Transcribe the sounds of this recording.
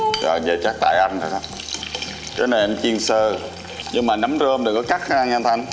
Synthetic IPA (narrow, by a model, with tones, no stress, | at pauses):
zɔ̰ː˨˩ze˨˩t͡ɕaː˦˥k̚t̪a̰ː˧˨jʔa˧jnt̪ʰə˨˩saː˦˥ | kḛ˨˦na˨˩ʔɛ˧mt͡ɕi˧ənsəː˧˩ | ɲɨ˧ŋmaː˨˩na˨˦mzəː˧mɗəː˨˩kɔ˨˦kaː˦˥k̚xa˦˥ʔa˧ŋʔɛ˧nt̪ʰa˧ŋ